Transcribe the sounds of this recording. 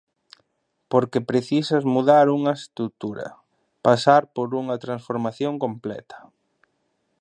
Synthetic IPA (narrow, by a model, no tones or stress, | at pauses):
poɾkepɾeθisɐzmuðaɾuŋɐest̪ɾut̪uɾɐ̰ | pasaɾpoɾuŋɐt̪ɾansfoɾmaθjoŋkomplɛ̰t̪ʰɐ̥